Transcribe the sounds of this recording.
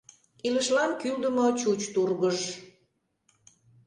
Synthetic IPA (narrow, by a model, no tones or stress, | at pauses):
iləʃlɑnkyld̪əmot͡ɕut͡ɕt̪urɣəʒ